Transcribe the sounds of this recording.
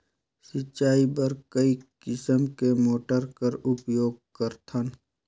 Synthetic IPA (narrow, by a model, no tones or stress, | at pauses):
sɪt͡ʃːaːibɐɾkəikɪsəmkemoːʈəɾkəɾʊpjoːɡ̚kəɾt̪ʰən